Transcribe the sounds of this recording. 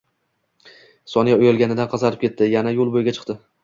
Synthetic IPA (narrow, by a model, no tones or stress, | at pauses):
sɒnijaʊjɒlˠɡʲanɪd̪anqʰɑzɑɾɪp̚kʲet̪ʰːɪjanajolˠbojɪɡʲat͡ʃʰɨ̥qt̪ɪ